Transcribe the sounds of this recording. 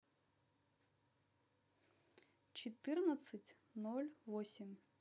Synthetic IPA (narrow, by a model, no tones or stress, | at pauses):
t͡ʃit̪ɪrnɐt̪sɨtʲ | nɔlʲʋɔsʲimʲ